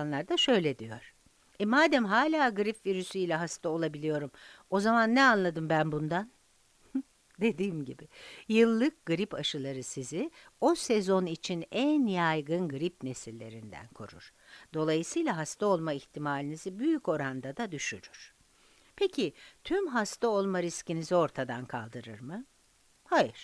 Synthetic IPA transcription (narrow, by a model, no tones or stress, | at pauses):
nlˠaɾd̪aʃø̞jlʲed̪ijo̞̰ɾ̥ | ɛmaːd̪ɛmɦaːlʲaːɡɯɾipviɾysyjlʲɛɦast̪ʰao̞lˠabilʲijo̞ɾumo̞zamanːɛanlˠad̪ɯmbænbund̪an | d̪e̞d̪iːmɟibɪjɯlˠːɯk̚ɡɯɾipaʃɯlˠaɾɯsizɪo̞sɛzo̞nit͡ʃʰinænjajɡɯnɡɯɾipne̞silʲːe̞̰ɾind̪æ̰nkʰo̞̰ɾṵɾ̥ | d̪̥o̞lˠajɯsɯjlˠaɦast̪ao̞lˠmaiçt̪ʰimaːlʲinizibyjyco̞ɾand̪ad̪ad̪yʃyɾyɾ̥ | pʰecʰit̪ʰymɦast̪ʰao̞lˠmaɾiscinizio̞ɾt̪ʰad̪ankʰa̰lˠd̪ɯɾɯ̰ɾmɯ | hajɯɾ̥